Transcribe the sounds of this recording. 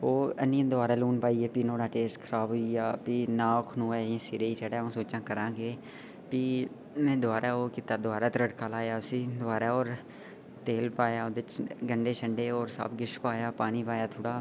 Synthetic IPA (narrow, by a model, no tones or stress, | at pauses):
oːənĩːd̪ʊaːɾaːluːnpaːiːeːpiːnoːɽaːʈeːsʈkʰəɾaːbɦoːijaːpiːnaːkʰnũːɛːãːsiɾeːiːt͡ʃəɽaːõːsoːt͡ʃãːkəɾãːɡeː | piː | mɛ̃ːd̪ʊaːɾaːoːkɪt̪aːd̪ʊaːɾaːt̪ɾəɖkaːlaːjaːʊsĩːd̪ʊaːɾaːɔːɾ | t̪eːlpaːjaːod̪ɪɪt͡ʃɡəɳɖeːʃəɳɖeːɔːɾsa̰bɡɪʃpaːjaːpaːñiːpaːjaːt̪ʰoːɽaː